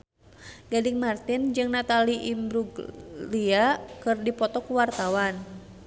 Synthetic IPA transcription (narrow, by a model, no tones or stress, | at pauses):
ɡadiŋmart̪ind͡ʒɨŋnat̪aliʔimbɾuɡliakɨrdipɔt̪ɔkuwart̪awan